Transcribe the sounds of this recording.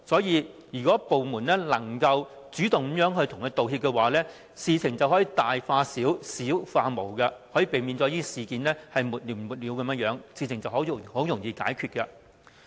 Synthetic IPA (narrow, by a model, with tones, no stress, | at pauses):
sɔː˨˥jiː˧jyː˨˩kɔː˨˥po˨wmuː˨˩nlɛː˥lɐ˨˩ŋkɐ˧w | t͡syː˨˥t̪ʊ˨ŋkːmjœː˨˥ŋɦɵ˧ɥt̪ʰʊ˨˩ŋjɐ˥t̪o˨whiː˧p̚kɛ˧waː˨˥lɛː˥ | siː˨˧t͡sʰɪ˨˩ŋt͡sɐ˨whɔː˨˥jiː˧t̪aː˨jfaː˧siː˨˥wsiː˨˥wfaː˧mo˨˩wkɐ˧hɔː˨˥jiː˨˧pe˨jmiː˨˧nt͡sɔ˨˧˥iː˥siː˨kiː˨˧nlɛː˥hɐ˨jmuː˨˩t̚li˨˩mmuː˨˩t̚liː˨˧wkɐ˨˦mjɐ˥jœː˨˥ŋsiː˨t͡sʰɪ˨˩ŋt͡sɐ˨wɦo˨˥who˨˥wjʊ˨˩ŋjiː˨˧ka̰ː˨˥jkʰyː˧t̚kɐ˧